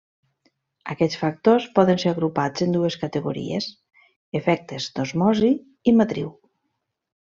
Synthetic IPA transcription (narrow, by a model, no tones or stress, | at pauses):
akɛsfak̚t̪ospɔðənseɾaɣɾupazend̪ueskat̪eɣuɾḭḛs | efɛk̚t̪ezd̪̥ozmɔzi | imat̪ɾḭw